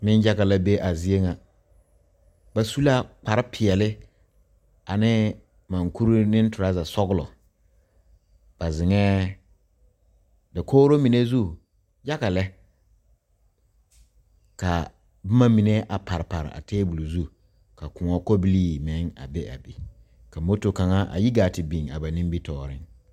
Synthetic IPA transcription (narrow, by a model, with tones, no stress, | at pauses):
nɪ̃˦n˦d͡ʒa˦ka˨la˦be˦ʔa˨zi˦e˦ŋa˨ | ba˦su˦la˦k͡pa˨ɾɪ˦pʰɪ˨ɛ˨lɪ˦ | a˨nɪ˦ | mã˨ŋkʰu˦ɾu˦nɪ̃˦n˦tʊ˨ɾa˦za˨sɔ˦ɡʊ˦lɔ̰˨ | b̥a˨zɪ˨ŋɛː˦ | dɪ˨kʰoː˦ɾo˦mi˨ne˦zu˦ | ja˦ka˨lɛ˦ | ka˨ | bʊ˦ma˦mi˨ne˦ʔa˨pa˨ɾɪ˨pa˨ɾɪ̰˨a̰˨tʰeː˦bu˨lu˨zu˦ | ka˨kʊ˨ŋɔ˦ko˦bi˦liː˦mɛ˨˦ŋa̰˨bɛ˦ʔa̰˨bi˨ | ka˨mo˦to˨ka˨ŋa˦ʔa̰˨ji˦ɡaː˨tɪ˨bi˨ŋa̰˨ba˨nĩ˦m˦bi˦tɔː˦˨ɾɪ˦ŋ